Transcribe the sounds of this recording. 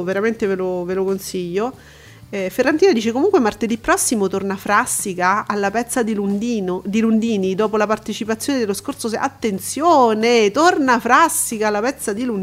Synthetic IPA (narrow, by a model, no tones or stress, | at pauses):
veɾament̪evelovelokonsiʎːo | ɛferːant̪iːnad̪iːt͡ʃekomuŋkwemart̪ed̪ipːɾɔsːimot̪ornafɾasːikaalːapɛt̪sːad̪ilund̪iːnod̪ilund̪iːnid̪ɔːpolapart̪et͡ʃipat̪sjoːned̪elːoskort̪sosa̰t̪ːent̪sjoːnet̪ornafɾasːikaalːapɛt̪sːad̪ilun